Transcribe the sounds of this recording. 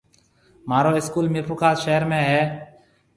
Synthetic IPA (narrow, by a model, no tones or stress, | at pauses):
maːɾoːɪskuːlmɪpʰukʰaːzʃeɦəɾmẽːɦɛː